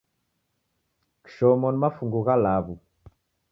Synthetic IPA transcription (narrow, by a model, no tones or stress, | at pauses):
kʃɔmɔnmafuŋɡuɣalaβu